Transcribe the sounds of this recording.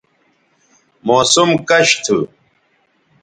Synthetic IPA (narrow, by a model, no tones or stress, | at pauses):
moːsumkɐɕt̪ʰṵ